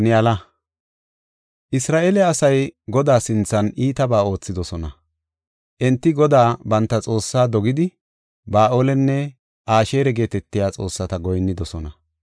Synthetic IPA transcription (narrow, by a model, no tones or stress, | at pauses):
nɪalɐ | ʔɪsɾaːʔelɛɐsɐjɡɔd̪aːsɪnt͡sːɐniːt̪ɐbaːo̞ːt͡sːɪd̪ɔsɔnɐ | ʔɛnt̪ːɪɡɔd̪aːbɐnt̪ːɐt͡sʼo̞ːsːaːd̪ɔɡɪd̪ɪ | baːʔoːlɛnːɛ | ʔaːʃe̞ːɾɛɡe̞ːt̪ɛt̪ːɪjaːt͡sʼo̞ːsːɐt̪ɐɡɔjnːɪd̪ɔsɔnɐ